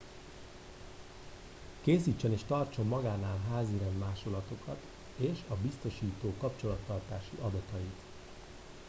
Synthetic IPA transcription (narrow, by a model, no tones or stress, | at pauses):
keːsiːt͡ʃːøneːʃt̪ɒrt͡ʃo̞mːɒɡaːnaːlɦaːziɾɛnd̪maːʃo̞lɒt̪o̞kɒt̪ | eːʃɒbist̪o̞ʃiːt̪oːkɒpt͡ʃo̞lɒt̪ːɒrt̪aːʃiʔɒd̪ɒt̪ɒjit̪